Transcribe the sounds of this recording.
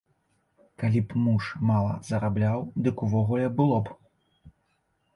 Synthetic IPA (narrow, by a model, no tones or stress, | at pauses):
kalʲipmuʂmalˠɐ̰zɐɾablʲawd̪ɨkuvɔɣulʲɛbɨlˠɔb